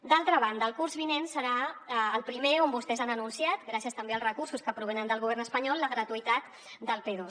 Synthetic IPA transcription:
d̪alˠt̪ɾəβ̞and̪əːlˠkuɾzβinensəɾaːlˠpɾimeombust̪ɛzanənunsiat̪ɡɾasiəst̪əmbeəlzrəkursuskəpɾuβɛnənd̪əlˠɣuβ̞ɛrnəspəɲɔlˠːəɣɾət̪uit̪at̪ | d̪əlˠpeðos

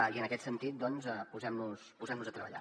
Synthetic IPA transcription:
iənəkɛt̪sənt̪it̪̚d̪ɔnzəpuzɛmnuspuzɛmnuzət̪ɾəβə̰ʎa̰

